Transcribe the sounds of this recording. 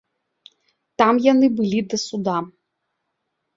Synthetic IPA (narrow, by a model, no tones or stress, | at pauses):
t̪amjɐnɪbɨlʲid̪ɐsud̪a